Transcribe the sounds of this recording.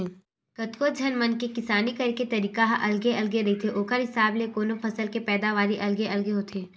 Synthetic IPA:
kɐt̪kod͡ʒʱɐnmənkekɪsaːnikɐɾket̪ɐɾiːkaɦʔɐlɡeɐlɡeɾɐɦit̪ʰeʔoːkəɾɦɪsaːblekoːnopʰɐsəlkepɛːd̪aʋaːɾiʔɐlɡeʔɐlɡeɦoːt̪ʰeː

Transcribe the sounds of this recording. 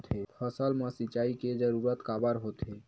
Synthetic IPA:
t̪ʰepʰəsəlməsit͡ʃaiked͡ʒəɾuɾət̪kabəɾɦot̪ɦe

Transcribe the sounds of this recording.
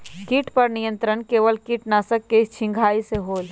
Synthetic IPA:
kiːʈpɐɾnijə̃nt̪ɾəɳkeːʋəlkiːʈnaːsəkːet͡ʃʰɪ̃ŋɡʱaːiseɦoːl

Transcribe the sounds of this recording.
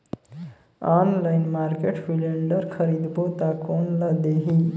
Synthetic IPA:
anlajnmaɾkeʈfileɳɖəɾkʰəɾid̪bʱot̪akoːnlad̪eɦi

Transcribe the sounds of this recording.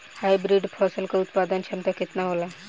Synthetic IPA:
hajbɾiɖfʰɔsəlkaut̪pad̪ənɕənt̪aket̪naɦola

